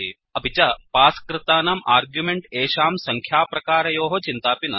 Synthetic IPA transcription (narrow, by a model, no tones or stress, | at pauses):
ɐpit͡ʃɐpaːskɾɪt̪aːnɐmaːɾɡjumeɳʈeːʃaːmsɐŋkʰjaːpɾɐkaːɾɐjoːɦɐt͡ʃint̪aːpinɐ